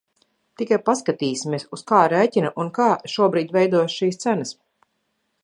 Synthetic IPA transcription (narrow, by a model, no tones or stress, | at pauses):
t̪ikajpaskat̪iːsimʲieɛsuskaːɾɛːcʲinaʔunkaːʃuɔbɾiːd̪ʲvɛjd̪uɔjsʃiːst̪sænɐs